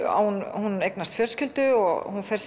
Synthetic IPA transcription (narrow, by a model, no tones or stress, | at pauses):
a̰whunhunejknast̪fjœr̥scɪlt̪ʏɔɣhunfɛɾ̥s